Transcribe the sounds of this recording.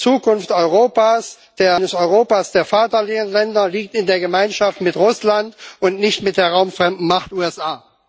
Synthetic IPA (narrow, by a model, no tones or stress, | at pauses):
t͡suːkʊnftɔʏʁoːpaːs | d̥eːɐnəsɔʏʁoːpaːsd̥eːɐfaɐtɐlɪənlɛndɐliːk̚tɪndeːɐɡəmaɪnʃaftmɪtʁʊslantʊntnɪçtmɪt̚d̥eːɐʁaʊmfʁ̥ɛmdn̩maχtʔuːɛsʔaː